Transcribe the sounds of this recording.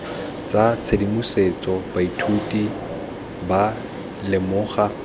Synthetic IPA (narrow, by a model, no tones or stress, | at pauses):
t͡sʼat͡sʰedimuset͡sʼɔbaitʰutʼi | ba | lɪmʊːχa